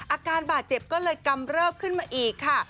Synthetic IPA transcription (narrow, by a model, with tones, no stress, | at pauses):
ʔaː˧kaː˧nbaː˨˩t̪̚t͡ɕe˨˩p̚kɔː˥˩lɤː˧jka˧mɾɤː˥˩mkʰɯ˥˩nmaː˧ʔiː˨˩kʰːa˥˩